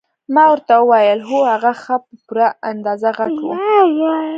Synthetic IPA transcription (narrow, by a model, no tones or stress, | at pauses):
mɑwəɾt̪awəwajəlɦohaɣaxapəpuɾaand̪ɑzaɣaɡṵ